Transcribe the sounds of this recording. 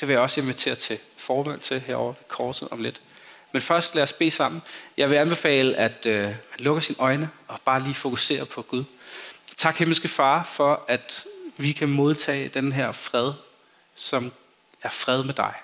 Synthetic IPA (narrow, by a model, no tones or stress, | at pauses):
d̥e̝ʋe̝jaɒ̽se̝nʋit͡sʰe̝̰ːɐt͡sʰe̝fɒːmæn̰t͡sʰe̝lɦḛɐɒ̰ʊ̰ɐʋekʰɒːd̥sð̩ˠɒ̽mle̝d̥menfɶɐsd̥læːɐsb̥e̝̰ːsɑ̈m̰n̩jɑ̈ɪʋe̝ænb̥e̝fɛ̰ːləʔæd̥ømænlɔ̽ɡ̥ɐsinʔɒ̽ɪnəɒ̽b̥ɑ̈ːliːfo̝kʰuse̝̰ːɐpʰɒ̽ɡ̥uðˠt͡sʰɑ̈ɡ̥heml̩sɡ̥əfɑ̈ːfɒ̽æd̥ʋikʰæmo̝ð̞ˠt͡sʰɛ̰ːd̥enɦæɐ̰fʁɛð̞ˠ | sɒ̽m | æɐfʁɛð̞ˠmed̥ɑ̈ɪ